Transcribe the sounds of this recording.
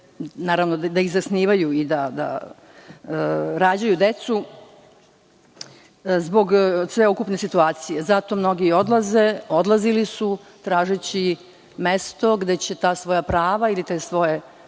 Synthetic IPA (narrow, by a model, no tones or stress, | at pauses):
naːɾaʋnod̪d̪aiɣzasniːʋajuid̪ad̪a̰ | ɾaːd͡ʑajud̪e̞t̪su | zbo̞ɡsʋe̞ukupne̞sit̪uaːt̪sijezat̪o̞mno̞ɡio̞d̪lˠaze̞od̪lˠazilisu | t̪ɾaːʒet͡ɕi | me̞st̪o̞ɡd̪e̞t͡ɕe̞t̪aːsʋo̞japɾaːʋailit̪eːsʋo̞je